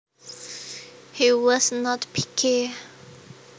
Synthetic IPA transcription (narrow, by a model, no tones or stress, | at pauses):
hiwɔsnɔtpʰikʰi